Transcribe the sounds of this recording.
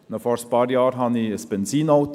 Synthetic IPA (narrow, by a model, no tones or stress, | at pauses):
nofɔɾspɑɾjɑːɾɦɑnisbɛnsiːnɑʊt̪